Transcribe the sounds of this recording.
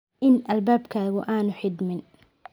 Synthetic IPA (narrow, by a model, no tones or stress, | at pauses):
ʔɪnʔɐlbaːbkʰaːɣʊʔaːnʊħɪd̪mɪn